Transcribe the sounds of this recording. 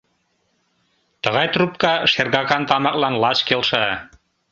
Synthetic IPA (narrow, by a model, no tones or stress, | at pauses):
t̪əɣɑjt̪rup̚kɑʃerɣɑkɑnt̪ɑmɑk̚lɑnlɑt͡ɕkelʃɑ